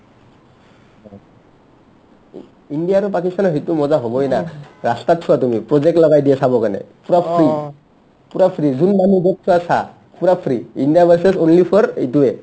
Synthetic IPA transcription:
indijaɾɔpakist̪ʰanɔɦɔjt̪umɔzaɦobɔjnaɾast̪at̪̚t͡ʃʰuwat̪umipɹɔzek̚ʈlɔɡajdiesabɔkanḛpuɾapʰɾi | puɾapʰɾizunmanuɡet̚tʰuasa̰ | puɾapʰɾiindijabasesonlipʰɔɾit̪ue

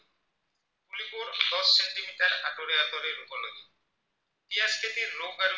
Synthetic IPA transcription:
kulipuɾd̪ɔsːeɳʈimiʈaɾaʈoɾeat̪oɾeɾupolod̪i | ʈiasket̪iɾlobaɾo

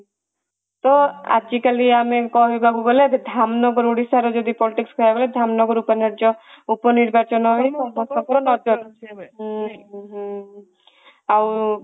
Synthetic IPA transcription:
t̪ɔa̰d͡ʒikaliamekɔɦibʱaɡuɡɔled̪ʱamnɔɡɔɾuɽisaɾɔd͡ʒɔd̪ipɔliʈikskʰɔjaɡoled̪ʱamnɔɡɔɾupɔnaɾd͡ʒɔupɔniɾbat͡ʃɔnɔɦeɔbʱɔsɔkɔɾɔnɔd͡ʒɔɾot͡ʃʰe | ɦ | aw

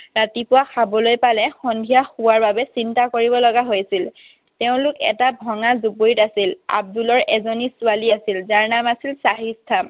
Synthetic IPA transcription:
ɹatipʊwaxabɔlojpalɛxɔndʱijaxuwaɹbabɛsintakoɹibɔlɔɡaɦojsil | teʊ̃lʊkɛ̰tabʱɔŋazuboitasila̰b̚dulɔɹɛzonisʊaliasilzaɹnamasilsaɦistʰam

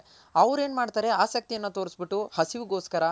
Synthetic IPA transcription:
ɐʋɾe̞ːnmaːɖt̪aːɾe̞aːsɐk̚t̪ijɐnːut̪o̞ːɾisbiʈːuhɐsiʋuɡo̞ːskɐɾɐ

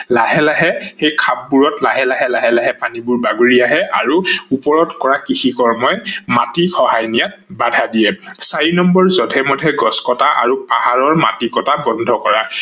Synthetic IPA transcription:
laɦɛlaɦɛxejkʰap̚ːuɹɔtlaɦɛlaɦɛlaɦɛlaɦɛpanibuɹbaɡuɹiaɦɛʔa̰ɹuupɔɹɔtkɔɹakixikɔɹmɔjmatixʰɔɦajnijat̚badʱadijɛsaɹinɔmbɔɹzɔtʰɛmɔdʱɛɡɔskɔtaʔa̰ɹupa̰haɹɔɹma̰tikɔtabɔndʱɔkɔɹa

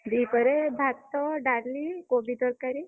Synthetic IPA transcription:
d̪ikɔɾebʱakt̪ɔɖaɾlikobʱid̪ɔɾkaɾi

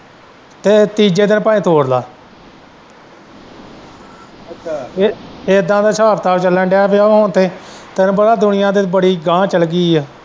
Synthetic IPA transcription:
t̪eːt̪iːd͡ʒeːd̪ɪnpaːĩːt̪ʰoːɽlaː | eːd̪ãːd̪aːsaːpt̪aːt͡ʃəlːɛ̃ːɖaːpeaːɦoːnt̪eːt̪enbəɽaːd̪ʊnɪjãːd̪eːbəɽiːɡãːt͡ʃəlɡiːɛː

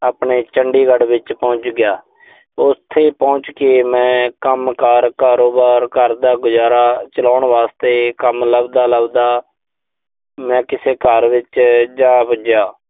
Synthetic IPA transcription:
aːpɳeːt͡ʃəɳɖiːɡəɽʋɪt͡ʃpɔ̃ːɲt͡ʃɡɪjaː | ʊst̪ʰːeːpɔ̃ːt͡ʃkeːmɛ̃ːkəmkaːɾkaːɾoːbaːɾkəɾd̪aːɡʊzaːɾaːt͡ʃəlaːʊɳʋaːst̪eːkəmləbd̪aːləbd̪aː | mɛ̃ːkɪseːkəɾʋɪt͡ʃd͡ʒãːpəd͡ʒjaː

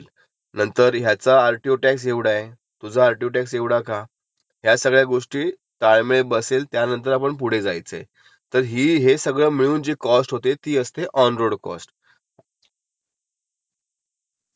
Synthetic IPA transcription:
l | nənt̪əɾɦjat͡saːɾʈioʈæks̬eʋɽae | t̪ud͡zʱaːɾʈioʈækseʋɽaka | ɦjasəɡɭjaɡoʂʈiː | t̪aɭmeɭebəseːlt̪janənt̪̬əɾapəɳp̬uɽ̤ed͡zajt͡sḛ | t̪əɾɦiːɦesəɡɭəːmiɭuːnd͡ʑikɔsʈɦot̪et̪iːəst̪eʔɔnɾoɽkɔ̰sʈ

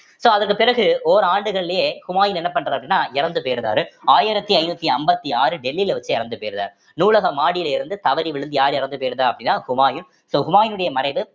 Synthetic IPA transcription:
soːɐðɐrkːɯpɪɾɐɣɯoːɾaːɳɖɯɣɐɭɪljeːhʊmaːjɪnɛnːɐp̬ːɐɳːrɐɾɐpːɐɽɪnːaːɪɾɐnd̪ɯpeːɾɯða̰ːɾɯaːjɪɾɐt̪ːiɐɪnuːt̪ːiɐmbɐt̪ːiaːɾɯɖɛlːilʋɐt͡ʃːɯɪɾɐnd̪ɯpeːɾɯða̰ːɾ | nuːɭɐɣɐmaːɽɪjɪlɪɾɯnd̪ɯt̪ɐʋɐɾiʋɪɻɯnd̪ɯjaːɾɪɾɐnd̪ɯpeːɾɯðaːɐpːɐɽɪnːaːhʊmaːjɯn | soːhʊmaːjɪnɯɽɐjɐmɐɾɐɪʋɯ

